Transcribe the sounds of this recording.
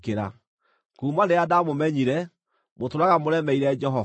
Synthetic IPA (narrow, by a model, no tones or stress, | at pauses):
keɾa̰ | kuːmandeadamomɛɲiɾɛ | motoɾaɣamoɾɛmɛiɾɛd͡ʒɛɦɔ